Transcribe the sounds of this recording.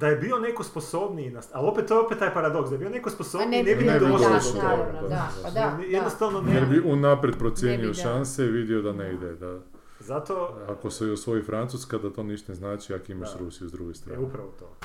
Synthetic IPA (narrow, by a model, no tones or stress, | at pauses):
d̪ajebio̞nekosposobninasalo̞pet̪t̪ːoeopet̪t̪ːaːjpaɾad̪o̞ksd̪aebijo̞nekosposobninebined̪ooot̪oaenjed̪nost̪aʋnonjeɾbiunapɾet̪̚pɾot̪sjeːnioʃanseiʋid̪iod̪aneid̪ed̪a | zat̪oakosojosʋo̞ifɾant̪uskad̪at̪o̞niʃt̪neznaːt͡ʃiakimaʃɾusijuzd̪ɾuɡist̪ɾaeupɾaʋot̪o̰ː